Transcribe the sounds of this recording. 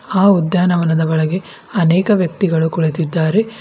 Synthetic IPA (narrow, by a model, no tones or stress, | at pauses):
aːud̪jaːnɐʋɐnɐd̪ɐʋɐɭɐɡe̞ | ɐnɛːkɐʋjɐk̚t̪iɡɐɭukuɭet̪id̪ːaːɾe